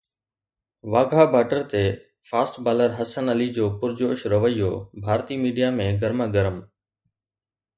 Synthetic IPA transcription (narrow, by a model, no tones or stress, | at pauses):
ʋaːɡʱabʱaːʈəɾt̪e | faːsʈbaːləɾɦɐsənɐlid͡ʑoːpʊɾd͡ʑoːʃɾɐʋəijːo̰ːbʱaːɾt̪iːmiːɖijamẽɡəɾməɡəɾəm